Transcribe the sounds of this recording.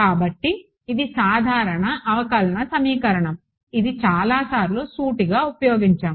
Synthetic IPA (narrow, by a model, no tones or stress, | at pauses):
kaːbɐʈːiː | d̪isaːd̪ʱaːɾɐɳɐʔɐʋɐkɐlɐnɐsɐmiːkɐɾɐɳɐm | id̪it͡ʃaːlaːsaːɾiloːsuːʈiɡaːupɐjoːɡiɲt͡ʃaːm